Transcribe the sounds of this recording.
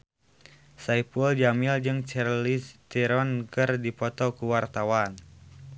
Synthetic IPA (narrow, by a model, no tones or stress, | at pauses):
saipuld͡ʒamild͡ʒɨŋt͡ʃɛrlist̪iɾɔnkɨrdipɔt̪ɔkuwart̪awan